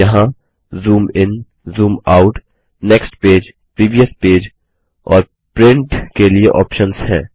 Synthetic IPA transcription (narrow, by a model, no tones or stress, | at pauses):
jɐɦã | zuːmɪn | zuːmaːʊʈ | neːksʈpeːd͡ʒ | pɾiːʋijəspeːd͡ʒ | ɔːɾ | pɾɪ̃ɳʈkelieʔɔːpʃənshɛ̰̃ː